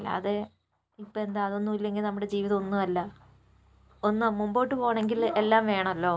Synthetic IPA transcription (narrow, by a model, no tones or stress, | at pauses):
lːa̰ːðe | ipːoe̞nd̪aːðonːuilːe̞ŋɡilnɐmːuɽe̞d͡ʑiːʋiðɐonːuɐlːɐ | onːuamumbo̞ːʈːɨpo̞ːɐɳeŋɡile̞lːaːmʋe̞ːɳɐmɐlːo̞ː